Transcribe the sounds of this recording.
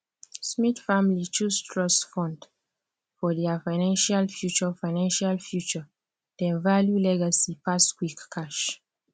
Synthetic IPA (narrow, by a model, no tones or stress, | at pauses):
smitfamlit͡ʃustʰɹɔsfɔ̃nd | fɔdɛafaɪnãnʃalfjut͡ʃəfaɪnãnʃalfjut͡ʃɔ | d̥ɛ̃nvaljulɛɡasipaskwikkʰaʃ